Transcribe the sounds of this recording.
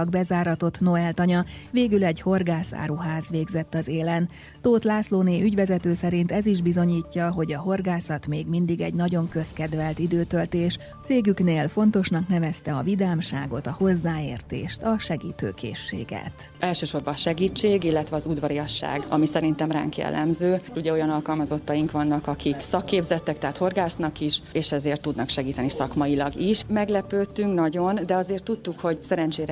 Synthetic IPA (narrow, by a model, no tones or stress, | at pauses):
ɡbɛzaːɾɒt̪ot̪no̞ɛlt̪ɒɲɒveːɡylɛɟho̞rɡaːsa̰ːɾuɦaːzʋeːɡzɛt̪ːɒzeːlɛn | t̪oːt̪laːsloːneːʔyɟʋɛzɛt̪øːsɛɾint̪ɛziʒbizo̞ɲiːcːɒɦo̞ɟɒɦo̞rɡaːsɒt̪meːɡmind̪iɡɛ̰ɟnɒɟo̞ŋkø̞skɛd̪ʋɛlt̪id̪øːt̪ølt̪eːʃ | t̪seːɡykneːlfo̞n̪t̪o̞ʃnɒknɛvɛst̪ɛɒvid̪aːmʃa̰ːɡo̞t̪ɒho̞zːaːḛːrt̪ḛːʃt̪ɒʃɛɡḭːt̪ø̰ːkʰḛːʃːḛːɡɛ̰t̪ | ʔɛlʃøːʃo̞rbɒʃɛɡiːt͡ʃːeːɡilːɛt̪ʋɛɒzud̪ʋɒɾiɒʃːa̰ːɡɒ̰misɛɾint̪ɛmra̰ːŋkjɛ̰lːʔɛ̰mzøːuɟɛo̞jɒnɒlkɒlmɒzo̞t̪ːɒjiŋkʋɒnːɒkɒkʰiksɒkːeːbzɛt̪ːɛkt̪ɛːt̪ho̞rɡaːsnɒkiʃeːʃɛzeːrt̪ːud̪nɒkʃɛɡiːt̪ɛnisɒkmɒjilɒɡiʃmɛɡlɛpøːt̪yŋknɒɟo̞nd̪ɛɒzeːrt̪ːut̪ːukho̞ɟsɛɾɛnt͡ʃeːɾɛ